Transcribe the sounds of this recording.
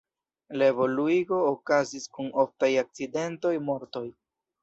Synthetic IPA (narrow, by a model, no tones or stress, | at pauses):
laevo̞luiɡo̞ːkaziskuno̞ftajak̚t͡side̞nto̞jmo̞ɾto̞j